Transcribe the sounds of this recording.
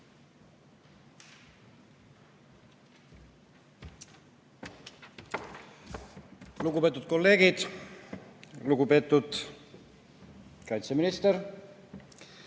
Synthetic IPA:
luɡupe̞ːt̪ːˑut̪̚ko̞lːe̞ːɡid̪̥ | luɡupe̞ːt̪ːˑud̪̥ | kɑjnt̪seminist̪eɾ

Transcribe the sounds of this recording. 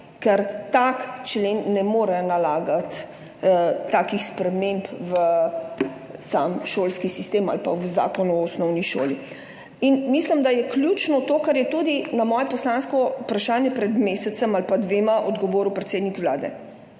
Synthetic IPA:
kɛɾt̪akt͡ʃlenːɛmoːɾɛnalaːɡat̪ | aːkixspɾɛmẽmpʋə | samʃoːlskisist̪ema̰lpa̰wza̰ːkɔnuɔɔsnɔwniʃo̰ːli | inmislimd̪ajɛkljut͡ʃnɔt̪oːkaɾjɛt̪uːd̪inamɔːjɛpɔslaːnskɔupɾaʃaːnjɛpɾɛd̪meːsɛt̪səmalpad̪ʋeːmaʔɔd̪ɡɔʋoːɾupɾɛt̪seːd̪nikʋla̰ːd̪ɛ̰

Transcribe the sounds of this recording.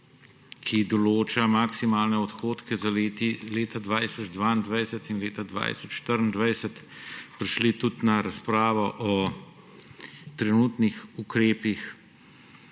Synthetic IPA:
kʰid̪ɔloːt͡ʃamaksimaːlnɛɔt̪xoːt̪kɛzaleːt̪ileːt̪ad̪ʋaːjsɔd͡ʒd̪ʋaːind̪ʋajsɛt̪inleːt̪ad̪ʋa̰jsɔt͡ʃʃt̪əɾnd̪ʋɐjsɛt̪pɾiʃlit̪ut̪naɾaspɾaːʋɔʔɔ | t̪ɾɛnuːt̪nixukɾeːpix

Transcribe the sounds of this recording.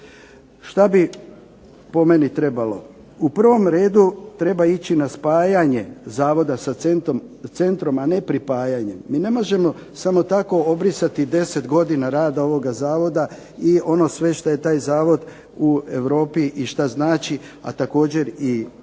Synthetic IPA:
ʃt̪abi | po̞me̞nit̪ɾe̞balo̞ | upr̩ʋo̞mɾe̞ːd̪ut̪ɾe̞bait͡ɕinaspaːjaɲezaːʋo̞d̪asa | se̞nt̪ɾo̞mane̞pɾipaːjaɲe̞mːiːne̞mo̞ʒe̞mo̞ | samo̞t̪ako̞o̞bɾisat̪id̪e̞se̞t̪ɡo̞d̪inaɾaːd̪ao̞ʋo̞ɡazaːʋo̞d̪a | io̞no̞sʋe̞ʃt̪aje̞t̪aːjzaːʋo̞d̪ | ue̞ʋɾo̞ːpiʔiʃt̪aznaːt͡ʃi | a̰t̪ako̞ːd͡ʑe̞ɾi

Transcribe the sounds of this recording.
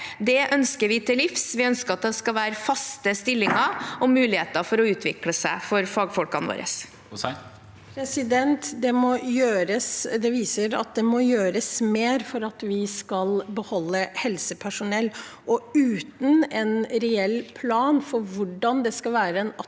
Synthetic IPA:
d̪ɛʔœnskəɾʋɪt̪ʰɪlɪfsʋɪœnskəɑt̪̚d̪ɛskɑlʋæːɾəfɑst̪əst̪ɪlːɪŋɑɔmʉːlɪheːt̪əfɔɾɔʉːt̪ʰʋɪkləsæɪfɔɾfɑːɡfɔlkɑnʋo̰ːɾə̰s | pʰɾɛsɪd̪ɛnt̪d̪ɛmɔjøːɾəsd̪ɛʋiːsəɾɑ̰t̪̚d̪ɛmɔjøːɾəsmeːɾfɔɾɑt̪ʋɪskɑlbəhɔlːəhɛlsəpʰæʂʊnɛlː | ʔɔʉːt̪n̩ɛnɾɛɛlːpʰlɑːnfɔɾʋʊɖɑnd̪ɛskɑlʋæːɾəɛnɑ

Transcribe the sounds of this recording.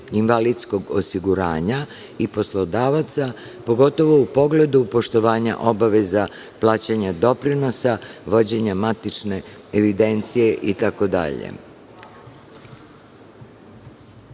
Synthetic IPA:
inʋalid̪sko̞ɡosiɡuɾa̰ːɲa | ipo̞slˠo̞d̪aːʋat̪sa | po̞ɡo̞t̪o̞ʋo̞upo̞ɡle̞d̪upo̞ʃt̪o̞ʋaːɲa̰ʔo̞baʋe̞za | plˠaːt͡ɕaɲad̪o̞pɾino̞saʋo̞d͡ʑe̞ɲamat̪it͡ʃne̞ | eʋid̪e̞nt̪sije̞ʔit̪ako̞d̪a̰ʎḛ

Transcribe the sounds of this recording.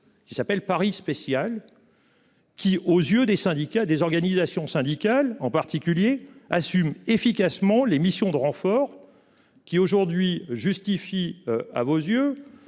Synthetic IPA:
kʲisapɛlpaʁispesjal | kʲiʔozjød̪esɛ̃d̪ikʲad̪ezɔʁɡanizasjɔ̃sɛ̃d̪ikalɑ̃paʁt̪ikʲyljeasymefikasmɑ̃lemisjɔ̃d̪əʁɑ̃fɔʁ | kʲioʒuʁd̪ɥiʒyst̪ifia̰vozjø

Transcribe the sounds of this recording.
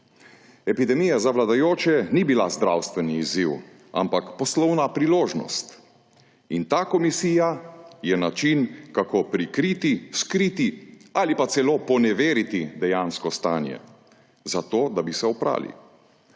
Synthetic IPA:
ɛpid̪ɛmijazaʋlad̪ajoːt͡ʃɛnibilazd̪ɾawst̪ʋɛniːziw | a̰mpakpɔslɔwnapɾiloːʒnɔ̰st̪ | int̪aːkɔmisiːjajɛnat͡ʃinkakopɾikɾit̪iskɾit̪ialipat̪sɛloːpɔnɛʋeːɾit̪id̪ɛjaːnskɔst̪aːnjɛ̰ | zat̪oːd̪abisɛɔpɾa̰ːlḭ

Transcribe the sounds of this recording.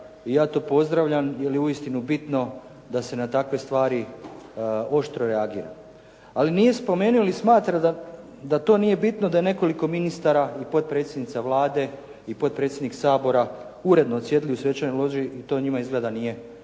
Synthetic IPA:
ijaːt̪o̞ːpo̞zd̪ɾaʋʎamjeliuist̪inubit̪no̞ | d̪ase̞nat̪akʋe̞st̪ʋaːɾi | o̞ʃt̪ɾo̞ɾeaɡḭːɾa̰ | alinije̞spo̞me̞ːnuolismaːt̪ɾad̪a | d̪at̪o̞ːnije̞bit̪no̞d̪aje̞ne̞ko̞liko̞minist̪aɾaipo̞t̪̚pɾe̞t̪sjed̪nit̪saʋlˠaːd̪e̞ | ipo̞t̪̚pɾet̪sʲjd̪niksaːbo̞ɾa | uɾe̞d̪noːt̪sje̞d̪iliusʋe̞t͡ʃanolˠo̞ʒiʔit̪o̞ːɲimaizɡle̞d̪anije̞

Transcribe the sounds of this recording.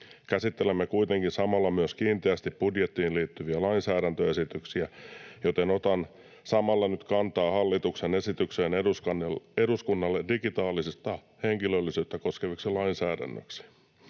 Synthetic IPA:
kæsit̪ːelemːekuit̪eŋkinsɑmɑlːɑmyøskiːnt̪eæst̪ippudjet̪ːiːnliːt̪ːyʋiælɑinsæːɾænt̪øesit̪yksiæjot̪enot̪ɑn | sɑmɑlːɑnyt̪kɑnt̪ɑːhɑlːit̪uksenesit̪ykseːneuskɑneɾuskunːɑlːedikit̪ɑːlisist̪ɑ | heŋkilølːisyːt̪ːæko̞skeʋiksilɑinsæːdæ̰nːø̰ksi̥

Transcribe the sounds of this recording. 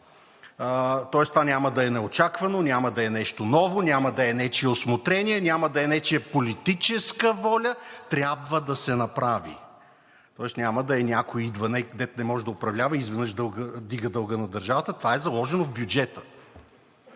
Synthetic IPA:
t̪ɔɛst̪ovanʲaməd̪ɐɛnɛot͡ʃakvɐnonʲamɐd̪ɐɛnɛʃt̪onɔvonʲamɐd̪ɐɛnɛt͡ʃiɛosmot̪ɾɛnʲiɛnʲamɐd̪ɐɛnɛt͡ʃɛɛpolit̪it͡ʃɛskəvɔlʲət̪ɾʲjabvəd̪ɐsɛnɐpɾavḭ | t̪ɔɛsnʲaməd̪ɐɛnʲakoid̪vɐnɛɡd̪ɛt̪nɛmɔʒɛd̪ɐʊpɾɐvlʲavəizvɛnɤʃd̪ɤlˠɡəd̪iɡəd̪ɤlˠɡənɐd̪ɐɾʒavət̪ət̪ovaɛzɐlˠɔʒɛnovbʲjud͡ʒɛt̪ə̥

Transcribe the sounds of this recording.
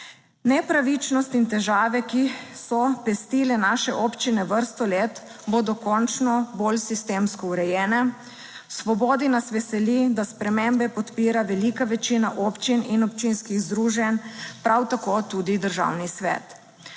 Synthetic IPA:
nɛpɾaʋit͡ʃnɔst̪int̪ɛʒaːʋɛkisɔpɛst̪iːlɛnaʃɛʔoːpt͡ʃinɛʋəɾst̪ɔleːt̪ | bod̪ɔkɔnt͡ʃnɔbolsist̪eːmskɔuɾɛjɛːnɛ | sʋɔboːd̪inasʋɛsɛlid̪aspɾɛmembɛpɔt̪piːɾaʋɛlikaʋɛt͡ʃinaʔoːpt͡ʃininɔp̚t͡ʃinskiɣzd̪ɾuːʒɛnpɾʔawt̪akoːt̪ud̪id̪əɾʒa̰wnisʋɛ̰ːt̪

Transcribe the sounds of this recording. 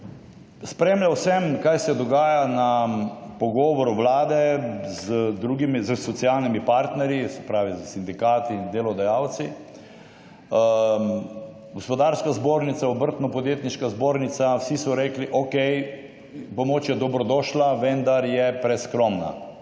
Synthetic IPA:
spɾeːmljawsɛmkajsɛd̪ɔɡaːjanapɔɡɔːʋɔɾuʋlaːd̪ɛzəd̪ɾuːɡimizəsɔt̪sialnimipaɾt̪nɛɾjisɛ̥pɾaːʋizəsind̪ikaːt̪ind̪eːlɔd̪ajawt̪si | ɡɔspɔd̪aɾskazboːɾnit̪saɔbəɾt̪nɔpɔd̪jeːt̪niʃkazboːɾnit̪sawsisɔɾeːkliʔɔkɛj | pɔmoːt͡ʃjɛd̪ɔbɾɔd̪ɔːʃlaʋɛnd̪aɾjɛpɾɛskɾɔmna̰

